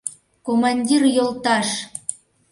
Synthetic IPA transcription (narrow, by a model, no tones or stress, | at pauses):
komɑnʲdʲirjolˠt̪ɑʃ